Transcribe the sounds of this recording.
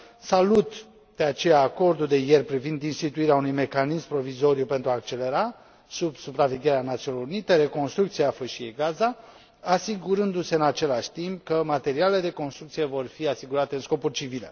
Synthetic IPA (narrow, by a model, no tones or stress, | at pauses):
salut̪ | d̪̥e̞at͡ʃe̞jaːko̞rd̪uld̪e̞jerpɾivind̪inst̪it̪uiɾeaunujme̞kanismpɾo̞vizo̞ɾijupe̞nt̪ɾuaːk̚t͡ʃe̞le̞ɾa | subsupɾaveɡʲeɾeanat̪siuoniloɾunit̪e̞ɾe̞ko̞nst̪ɾukt̪siafəʃieɡaza | asiɡuɾɨnd̪use̞ɨnat͡ʃe̞laʃʲt̪imp̚kəmat̪e̞ɾialeled̪e̞ko̞nst̪ɾukt̪sijevo̞rfiasiɡuɾat̪e̞ɨnsko̞pulʲt͡ʃivilḛ